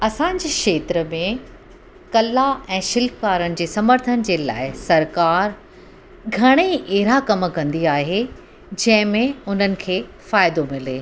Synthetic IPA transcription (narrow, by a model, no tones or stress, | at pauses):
ɐsãd͡ʑeːkʃeːt̪ɾəmẽ | kɐlaɛ̃ːʃɪlkkaːɾənɪ̆d͡ʑeːsɐməɾt̪ʰənɪ̆d͡ʑeːla̰ːɪsɐɾkaːɾ | ɡʱɐɽ̃eʔeɦɾakɐmkɐ̃nd̪iaːɦe | d͡ʑɐ̃ɦɪ̃mẽʊn̤ənɪ̆kʰeː | faːɪd̪omɪleː